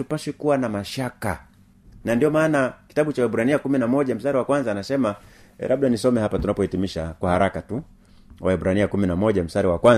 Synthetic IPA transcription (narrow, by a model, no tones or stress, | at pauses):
tupaʃikuwanamaʃaka | nandiɔmaːnaki̥taɓut͡ʃawɛɓuɾaniakuminamɔʄam̩staɾiwakwanzaːnasɛma | ɛ̰lʔaɓ̚ɗanisɔmɛhapatunapɔhɛtimiʃakwahaɾakatu | waɛɓuɾaniakuminamɔʄam̩staɾiwakwa